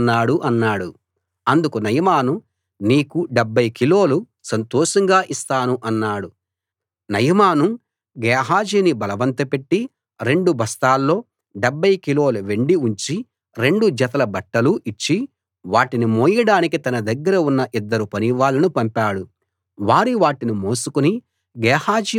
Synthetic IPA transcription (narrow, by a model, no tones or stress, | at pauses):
nːaːɽuʔɐnːaːɽu | ɐnd̪ukunɐjɐmaːnu | niːkuɖebːɐjkilo̞ːlu | sɐnt̪oːʂɐŋɡaːʔist̪aːnuʔɐnːaːɽu | nɐjɐmaːnu | ɡɛːɦaːd͡ʒiːnibɐlɐʋɐnt̪ɐpe̞ʈːi | ɾe̞ɳɖubʱɐst̪aːlːo̞ː | ɖebʱːɐjkilo̞ːlɐʋe̞ɳɖiuɲt͡ʃi | ɾe̞ɳɖud͡ʒɐt̪ɐlɐbɐʈːɐluʔit͡ʃːi | ʋaːʈinimoːjɐɽaːnikit̪ɐnɐd̪ɐɡːɐɾɐunːɐʔid̪ːɐɾupɐniʋaːlɐnupɐmpaːɽu | ʋaːɾiʋaːʈinimoːsukuni | ɡɛːhaːd͡ʒi